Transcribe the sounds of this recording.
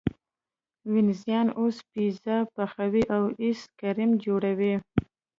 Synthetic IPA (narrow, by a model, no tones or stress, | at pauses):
wɪnzijɑnospizapaxawiʔawiskaɾimd͡ʒoɽawi